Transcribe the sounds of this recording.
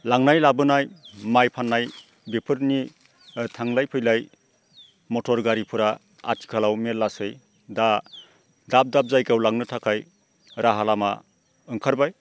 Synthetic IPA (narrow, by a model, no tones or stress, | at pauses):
laŋnajlabɯnajmajpʰanːaj | bepʰɯɾni | tʰaŋlajpʰɯjlaj | mɔtʰɔɾɡaɾipʰɯɾa | a̰tʰi̥kʰalawmelːasɯj | da | dap̚dap̚zajkawlaŋnɯtʰakʰaj | ɾʔaɦalama̰ | ɯŋkʰaɾbaj